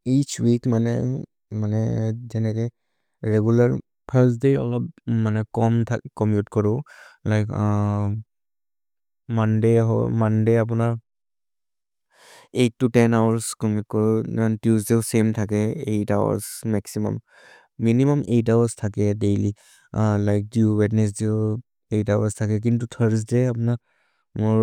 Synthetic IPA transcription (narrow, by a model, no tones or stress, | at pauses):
it͡ʃwikmanɛ | manɛzɛnɛkɛ | ɹɛɡulaɹ | pʰaɹsdejɔ̰lɔpmanɛkɔmtʰakɔmpjutkɔɹɔlajk | mandeɦɔ̰mandejap̬ʊnaɹ | etːutɛnawaɹskɔmut̚kɔɹɔantusdiʊsemtʰakɛejtawa̰smɛksimɔ̰mː | inimɔmʔejtawastʰakɛdejli | lajk̚diuwɛtnɛs̬diʊ | ejtawa̰ɹstʰakɛk̬intutʰəɹs̬deapʊna | mʊɹ